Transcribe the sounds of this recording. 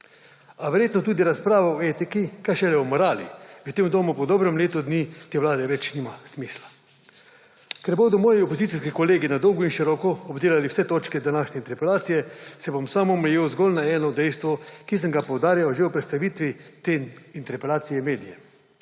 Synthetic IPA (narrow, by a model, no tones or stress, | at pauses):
aʋɛɾjeːt̪nɔt̪uːd̪iɾaspɾaːʋaɔeːt̪ikikajʃɛlɛmɔɾaːlḭʋət̪eːmd̪oːmupɔd̪ɔːbɾɛmleːt̪ɔd̪nit̪eːʋlaːd̪ɛʋɛt͡ʃniːmasmisla | kɛɾboːd̪ɔmɔːjiopozit̪siskikoleːɡinad̪ɔwɡɔinʃiɾɔːkɔɔbd̪eːlaliwsɛt̪oːt͡ʃkɛd̪anaːʃnʲɛint̪ɛɾpɛlaːt̪sijɛsɛbomsaːmɔmɛjeːwzɡɔlnaɛːnɔd̪ɛjst̪ʋɔkis̬əŋɡapowd̪aːɾjawʒewpɾɛt̪st̪aʋiːt̪ʋit̪eint̪ɛɾpɛlaːt̪sijɛmeːd̪ijɛ